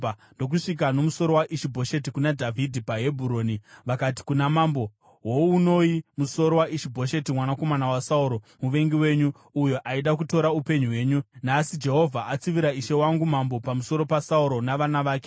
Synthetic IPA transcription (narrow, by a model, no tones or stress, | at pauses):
ndo̞k̬uʂik̬ano̞muso̞ɾo̞waʔiʃibʱo̞ʃe̞t̬ikunadʱavʱidʱipaɦe̞bʱuɾo̞ːniʋakat̬i̥kunamambo̞ | wouno̞imuso̞ɾo̞waʔiʃibʱo̞ʃe̞timwanako̞manawasauɾo̞ | muʋe̞ŋɡiwe̞ɲu | ujoʔaiɗak̬uto̞ɾaupe̞ɲuɦwe̞ːɲunasid͡ʒe̞ɦo̞vʱaʔat͡siʋiɾaiʃe̞waŋɡumambo̞pamuso̞ɾo̞pasauɾo̞naʋanaʋaːke̞